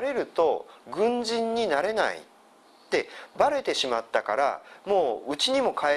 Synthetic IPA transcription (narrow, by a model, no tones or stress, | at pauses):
ɾe̞ɾɯ̟t̪o̞ɡɯ̟̃ɲd͡ʑĩɲ̟ːinaɾe̞na̰ḭ | t̪e̞baɾe̞t̪e̞ɕimat̪ːakaɾa̰mo̞ːɯ̟t͡ɕiɲ̟imo̞kae